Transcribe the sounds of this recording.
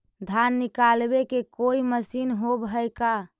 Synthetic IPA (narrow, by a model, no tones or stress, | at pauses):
d̪ʱanːikalbekekoiməsinɦobɦəjka